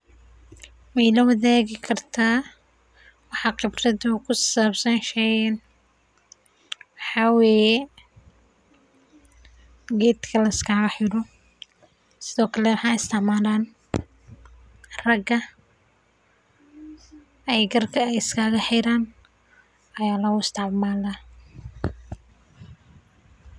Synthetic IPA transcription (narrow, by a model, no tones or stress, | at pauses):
mɛjlɐwɐðɛːɣɪkʰɐrt̪ʰaː | wɑħɑqɪbrɐðʊkʰʊsaːbsɐnʃɛɐn | wɑħɑːwɛːjɛ | ɡɛːt̪kʰɐlɐɪskʰaːɣɐħɪɾɔ | sɪðɔːkʰɐlɛwɑħɑːɪst̪ʰɛʕmaːlaːn | rɐɡɐ | ɛjɡɐrkʰɐɛjɪskʰaːɣɐħɪɾaːn | ɐjaːlɐʊɪst̪ʰɑʕmaːla